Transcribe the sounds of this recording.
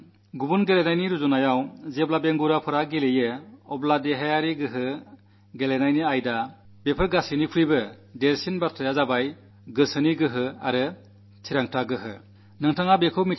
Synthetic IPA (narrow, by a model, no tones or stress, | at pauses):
ɡubunɡelenajniɾuzunajawzeblabeŋɡuɾapʰɯɾaɡelejɯɔbladeɦajaɾiɡɯɦɯ | ɡelenajniajda | bepʰɯɾɡasinikʰuɾibɯ | delsinbatʰɾajazabaj | ɡɯsɯniɡɯɦɯa̰ɾɯ | tʰiɾaŋtʰaɡɯɦɯ̰ | nɯŋtʰaŋabekʰɯwmi